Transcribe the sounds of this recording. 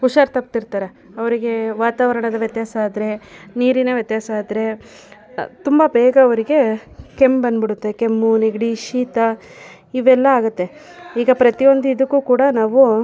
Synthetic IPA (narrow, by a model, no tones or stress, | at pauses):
kuʂɐɾt̪ɐp̚t̪iɾt̪aːɾe | ɐʋɐɾiɡe̞ʋaːt̪aːʋɐɾɐɳɐd̪ɐʋjɐt̪jaːsɐaːd̪ɾe̞niːɾinɐʋjɐt̪jaːsɐaːd̪ɾe̞ | t̪umbɐbɛːɡɐːʋɐɾiɡe̞ke̞mbɐnd̪biɽut̪ːe̞ke̞mːuneɡɽiʃiːt̪ɐ | iʋɛlːɐaːɡut̪ːe̞ | iːɡɐpɾɐt̪ijo̞nd̪uid̪ukːuːkuːɽɐnaːʋu